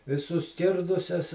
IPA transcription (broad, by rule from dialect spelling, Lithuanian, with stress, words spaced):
ɪ sʊˈsʲkʲɪrdʊsʲɛs